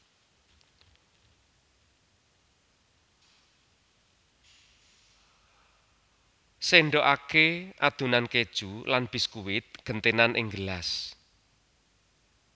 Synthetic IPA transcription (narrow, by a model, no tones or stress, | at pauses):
seɳɖɔʔakeʔad̪̥ṳnanked̥ʒ̥ulanb̥i̤skuwɪt̪̚ɡ̥ənt̪enanʔɪ̰ŋɡəlas